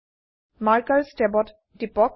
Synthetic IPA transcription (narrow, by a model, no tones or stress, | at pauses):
maɹkaɹstɛbɔt | dipɔk